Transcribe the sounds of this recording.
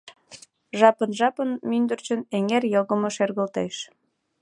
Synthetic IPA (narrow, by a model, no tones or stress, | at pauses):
ʒɑpənʒɑpənmynd̪ərt͡ɕəneŋerjoɣəmŏʃerɣəlt̪eʃ